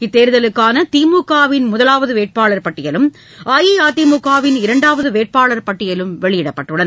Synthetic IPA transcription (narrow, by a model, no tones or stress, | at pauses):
ɪt̪ːeːɾɯðɐlɯkːaːnɐt̪iːmukːaːʋɪnmʊðɐlaːʋɐðɯʋeːʈ̚paːɭɐɾpɐʈːɪjɐlɯm | ʔɐːjiaːt̪imukːaːʋɪnɪɾɐɳɖaːʋɐðɯʋeːʈ̚paːɭɐɾpɐʈːɪjɐlɯmʋɛɭɪjɪɽɐpːɐʈːɯɽɐn